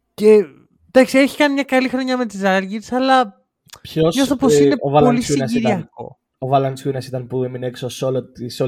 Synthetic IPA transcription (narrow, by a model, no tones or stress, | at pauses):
ce̞ | d̪ɐksieçi̥kɐnimɲɐkɐlixɾo̞ɲɐme̞t̪izɐɾʝisɐlɐ | pçosɲosθt̪oposineovɐlolisnɐsiiɾɐ̰ | ovɐlɐnskunɐsit̪ɐnpuemineksosolot̪iso